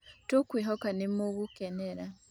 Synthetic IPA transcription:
tokwiːɦokanimuɣukeneɾa

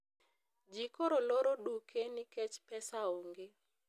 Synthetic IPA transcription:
d͡ʒikoɾoloɾoɗukʰenɪkɛt͡ʃpɛsaoŋɡe

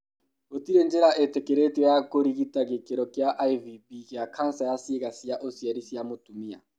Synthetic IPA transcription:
ot̪ʼiɾend͡ʒɛɾaʔɛt̪ɛkʼɛɾetʼijakʼoɾikitʼak̬ɛkʼɛɾɔkʼijaʔaivipʼikiakʰan̩sajasikasiaʔosiaɾisijamot̪ʼumia̰

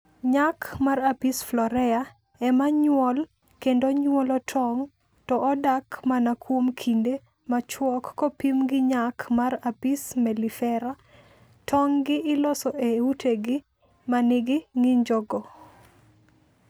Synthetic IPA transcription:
ɲakmarapisflɔɾɛa | ɛmaɲwɔl | kendoɲwɔlɔtʰɔŋ | tɔʔɔdakmanakʰwomkʰinde | mat͡ʃwɔkːɔpimɡɪɲakmarapismɛlifɛɾa | tʰɔŋɡɪʔɪlɔsɔʔeutʰeɡɪ | manɪɡɪŋiɲd͡ʒɔɡɔ

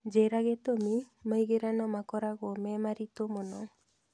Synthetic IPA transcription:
d͡ʒɛɾaɡɛt̪ɔmi | məjɡɛɾanɔmakɔɾaɡɔmɛmaɾit̪ɔmɔnɔ

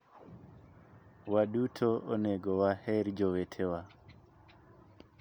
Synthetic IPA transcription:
waɗutʰɔʔɔnɛɡɔwahɛɾd͡ʒɔwɛtʰɛwa

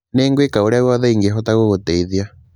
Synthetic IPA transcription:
neːŋɡwekaoɾeaɣwɔðɛiŋɡeɦɔtaɣoɣotɛiðia

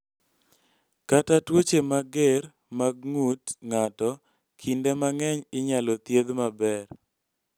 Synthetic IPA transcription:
katatwot͡ʃemaɡer | maɡ̚ŋutŋatɔ | kʰindemaŋɛɲɪɲalɔt̪jed̪mabɛr

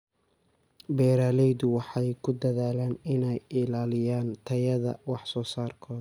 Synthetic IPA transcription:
bɛːɾaːlɛjðʊwɑħɑjkʰʊd̪ɐðaːlaːnɪnɛjɪlaːlɪjaːnt̪ʰɐjɐðɐ̰wɑħsɔːsaːrkʰɔːd̪

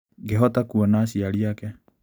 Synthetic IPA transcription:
ɡeɦɔt̪akuanasialiake

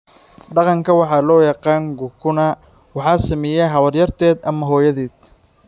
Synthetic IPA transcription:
ɖɑqɑŋkʰɐwɑħɑːlɔːjɑqɑːŋɡʊkʰʊnɐ | wɑħɑːsɐmɛjɛɦɐwɐrjɐrt̪ʰɛːd̪ɐmɐɦɔːjɐðɛːd̪

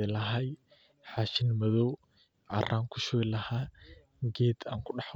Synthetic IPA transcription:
ɛlɐɦɐj | ħaːʃɪnmɐðɔw | ʕɑ̰rʔaːŋkʰʊʃɔɪlɐhaː | ɡɛːd̪aːŋkʰʊɖɑħ

